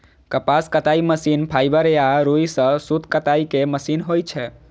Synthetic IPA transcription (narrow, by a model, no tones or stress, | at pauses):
kəpaskət̪aiməsinpʰajbəɾaɾuisə̃sut̪kət̪aikeməsinɦojt͡ʃʰɛ